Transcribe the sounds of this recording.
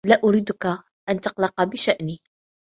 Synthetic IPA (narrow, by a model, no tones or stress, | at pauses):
læʔʊɾiːd̪ʊka | ʔænt̪ɑqlɑqɑbɪʃaʔni